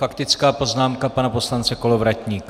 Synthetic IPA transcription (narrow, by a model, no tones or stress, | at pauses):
fakt̪ɪt͡skaːpo̞znaːmkapanaposlant͡sɛko̞lovɾacɲiːk